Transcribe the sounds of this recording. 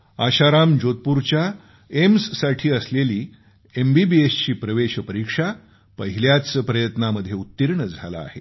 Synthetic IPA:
aɕaɾamd͡ʑot̪̚puɾt͡ɕja | emsːaʈʰiːəsleliː | embibiest͡ɕiːpɾəʋeɕpəɾikʂa | pəɦiljat͡spɾəjət̪naməd̪ʱːjeut̪ːiɾɳəd͡zʱala̰ːɦe

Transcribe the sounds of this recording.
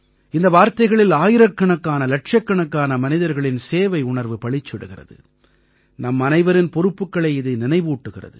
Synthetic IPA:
ɪnd̪ɐʋaːɾt̪ɐɪɣɐɭɪlaːjɪɾɐkːɐɳɐkːaːnɐlɐʈ̚t͡ʃɐkːɐɳɐkːaːnɐmɐnɪðɐɾɣɐɭɪnseːʋɐɪʊɳɐɾʋɯpɐɭɪt͡ʃːɪɽɯɣɪrɐ̰ðɯ̰ | nɐmːɐnɐɪʋɐɾɪnpɔɾɯpːɯkːɐɭɐɪɪðɯnɪnɐɪʋuːʈːɯɣɪrɐ̰ðɯ

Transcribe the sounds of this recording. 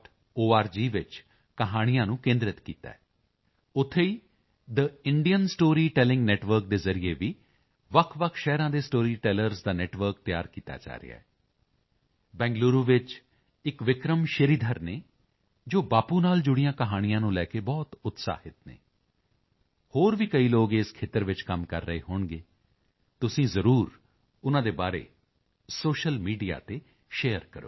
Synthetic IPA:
ʈ | oːaːɾd͡ʒiːʋɪt͡ʃ | kəɦaːɽ̃ijãːnũːkẽːnd̪ɾɪt̪kiːt̪a̰ːɛ | ʊt̪ʰːeːiː | d̪əɪɳɖijənsʈoːɾiːʈɛːlɪ̃ŋɡnɛːʈʋəɾk̚d̪eːzəɾijeːʋiː | ʋəkʰʋəkʰʃɛːɾãːd̪eːsʈoːɾiːʈɛːləɾzd̪aːnɛːʈʋəɾk̚t̪ɪja̰ːɾkiːt̪a̰ːd͡ʒa̰ːɾḛa̰ːɛ | bɛ̃ːŋɡluːɾuːʋɪt͡ʃ | ɪkʋɪkɾəmʃəɾiːd̪ʱəɾneː | d͡ʒoːbaːpuːnaːld͡ʒʊɽijãːkəɦaːɽ̃ɪjãːnũːlɛːkeːbɔːt̪ʊt̪sa̰ːhɪt̪nḛː | hoːɾʋiːkəiːloːɡeːskʰeːt̪əɾʋɪt͡ʃkəmkəɾːəeːɦoːɳɡeː | t̪ʊsĩːzəɾuːɾ | ʊnãːd̪eːbaːɾḛː | soːʃəlmiːɖija̰ːt̪eː | ʃeːəɾkəɾo̰ː

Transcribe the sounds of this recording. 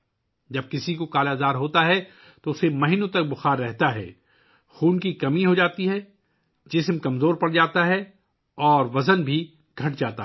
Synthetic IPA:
d͡ʒɐb̚kɪsikokaːlaːd̪aːɾɦoːt̪aɦɛ | t̪oʊsemɐɦinõt̪ɐk̚bʊxaːɾːɛɦt̪aɦɛ̰ː | xuːnkikɐmiɦod͡ʒaːt̪iɦɛ | d͡ʒɪsmkɐmzoːɾpɐɽd͡ʒaːt̪aɦɛ | ɔːɾʋɐzənbʱi | ɡʱɐʈ̚d͡ʒaːt̪a

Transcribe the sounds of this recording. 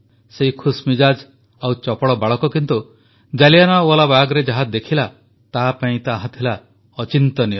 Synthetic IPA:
seɦikʰusmid͡ʒad͡ʒ | awt͡ʃɔpɔɭɔbaɭɔkɔkint̪u | d͡ʒalijanauɔlabaɡɔɾed͡ʒaɦad̪ekʰila | t̪apaĩt̪aɦat̪ʰila | ɔt͡ʃint̪ɔniɔ

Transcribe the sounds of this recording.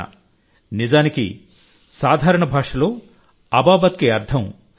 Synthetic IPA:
ɐ̰ | nizaːnikḭ | saːd̪ʱaːɾɐɳɐbʱaːʂɐloː | ɐbaːbɐt̪kiɐɾd̪ʱʰɐ̃m

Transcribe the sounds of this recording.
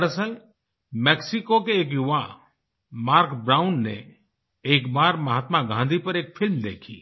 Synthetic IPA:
ɽəsəl | mɛːksɪkokeːk̬jʊʋã | maːɾkbɾaːʊnːḛ | eːkbaːɾmɐɦaːt̪maɡʱãːnd̪ʱipɐɾeːkfʰɪlmd̪ḛːkʰiː

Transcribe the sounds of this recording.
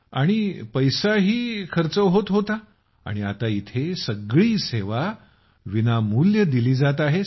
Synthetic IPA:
aɽ̃ipəjsaɦiːkʰəɾt͡səʋɦot̪ɦot̪a | a̰ɽ̃ia̰t̪ait̪ʰesəɡɭiːseʋa | ʋinamuljəd̪iliːd͡zat̪aɦe

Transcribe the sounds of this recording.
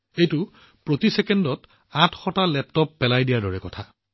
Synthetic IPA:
ejtʊ | pɹotisɛkendɔt | ãtʰxɔtalɛp̚tɔpːɛlajdijadɔɹɛkɔtʰa

